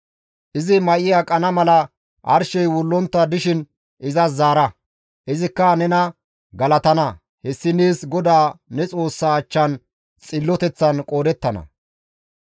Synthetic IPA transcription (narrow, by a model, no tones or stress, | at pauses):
ʔɪzɪmɐʔɪjakʼɐnɐmɐlɐ | ʔɐ̰ɾʃɛjwʊlːɔnt̪ːɐd̪ɪʃɪn | ʔɪzɐzaːɾɐ | ʔɪzɪkːɐnɛnɐ | ɡɐlɐt̪ɐnɐ | hɛsːɪniːsɡɔd̪aːnɛt͡sʼo̞ːsːaːt͡ʃːɐn | t͡sʼɪlːɔt̪ɛt͡sːɐnkʼo̞ːd̪ɛt̪ːɐnɐ̰